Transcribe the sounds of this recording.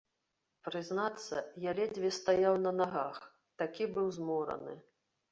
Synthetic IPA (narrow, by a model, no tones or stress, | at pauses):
pɾɨznat̪sːɐ̰jalʲɛd͡zʲvʲɛst̪ajawnɐnaɣax | t̪akʲibɨwzmɔɾɐ̰nɨ̰